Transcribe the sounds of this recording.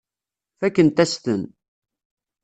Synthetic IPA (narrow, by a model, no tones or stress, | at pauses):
fækːənt̪æst̪ən